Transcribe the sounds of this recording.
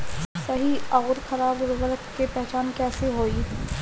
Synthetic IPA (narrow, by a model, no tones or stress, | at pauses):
sɐɦiɐɣʊɾxʰɐɾaːbɾʋɐlkkepɛɦt͡ʃaːnkɛːseɦoːi